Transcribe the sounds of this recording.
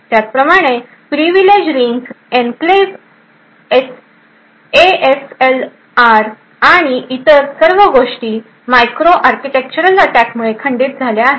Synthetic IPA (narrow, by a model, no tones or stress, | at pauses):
t̪jat͡s̚pɾəmaɽ̃e | pɾiʋiled͡ʑɾiŋɡs | ẽnkles | es | eesel | aɾ | aɽ̃iʔit̪əɾsəɾʋəɡoʂʈiː | majkɾoʔaɾkiʈek̚t͡ɕuɾələʈækmuɭekʰəɳɖiːt̪̚d͡zʱaleaɦe